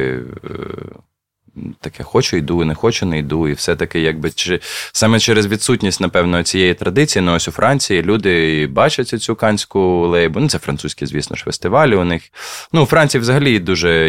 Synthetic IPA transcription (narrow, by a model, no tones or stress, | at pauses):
t̪ɐkʰɛxɔt͡ʃʊjd̪unɛxɔt͡ʃʊnejd̪uiwsɛt̪ɐkɪjɑɡ̚bɪt͡ʃɪsɑmɛt͡ʃɛɾezʋʲid̪sutʲnʲisʲtʲnɐpɛwnɔɔt͡sʲijɛjit̪ɾɐd̪ɪt͡sʲijinʊɔsʲʊfɾʔɑnʲt͡sʲijilʲud̪ɪbɑt͡ʃɐtʲʊt͡sʲukɑnʲsʲkʊlˠɛjbʊnut̪sɛfɾɐ̰nt̪usʲkʲizʲʋʲisnɔ̰ʃfest̪ɪʋɑlʲiʊnɪxnuʊfɾɑnʲt͡sʲijiʋzɐɦɐlʲid̪uʒɛ